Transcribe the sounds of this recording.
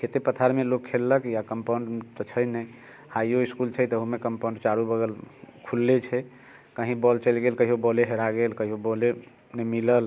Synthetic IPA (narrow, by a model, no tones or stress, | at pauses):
kʰet̪epət̪ʰaɾmelokʰːelːəkjakəmpaɳɖt̪ət͡ʃʰəjnəj | hajoiskult͡ʃʰət̪əɦumekəmpãɳɖt͡ʃaɾubəɡəlkʰulːet͡ʃʰɛ | kəɦĩbɔlt͡ʃəlɡelkəɦiobɔleɦeɾaɡelkəɦiobole | nəmiləl